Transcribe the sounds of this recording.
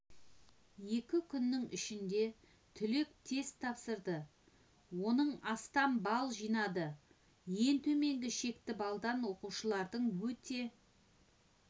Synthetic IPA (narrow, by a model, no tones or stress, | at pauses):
je̞kʲɪkʲʰʏnːɪŋʏ̰ʃɪnd̪e̞ | t̪ʰʏlek̚t̪ʰe̞st̪ʰːɑpsəɾd̪ə | wo̞nəɴɑst̪ɑmbɑlˠʒijnɑd̪ə | je̞nt̪ʰɵme̞ŋɡʲɪʃe̞kt̪ɪbɑlˠd̪ɑnwo̞quʃəlˠɑɾd̪əɴwɵt̪e̞